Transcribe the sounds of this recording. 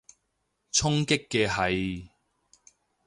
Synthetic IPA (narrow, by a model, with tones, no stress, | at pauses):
t͡sʰʊ˥ŋkɪ˥kːɛː˧ɦɐ˨j